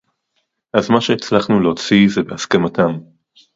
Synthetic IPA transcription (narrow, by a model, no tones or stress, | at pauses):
ʔazmaʃeːt͡slaχnuleot͡sizebeaskamatam